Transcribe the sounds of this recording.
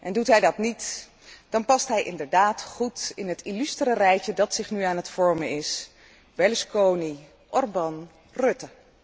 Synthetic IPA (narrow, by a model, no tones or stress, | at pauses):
ʔɛndutɦɛjdɑtnit | d̥ɑnpɑstɦɛjʔɪ̰ndəɹdaːtχutɪnɦətilystrərɛjtədɑtsɪχnyaːnɦətfɔɹməɪs | bɛləskowni | ʔɔrbɑn | rɵtə